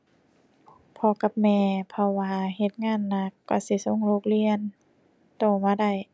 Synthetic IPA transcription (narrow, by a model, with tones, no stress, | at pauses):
pʰɔ˧ka˧˦p̚mɛː˧pʰɔ˧waː˧ɦe˧˦t̪̚ŋaː˧˥˨nːa˧˥kːɔ̰˧˩si˧˦so˧˥˨ŋlo˧˦k̚li˧˨ən | t̪oː˧˩maː˧˩da˧˩j